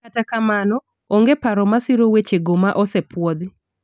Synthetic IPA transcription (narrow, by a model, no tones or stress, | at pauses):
katakamanɔ | oŋɡepaɾɔmasiɾowet͡ʃeɡomaʔɔsɛpwɔd̪ɪ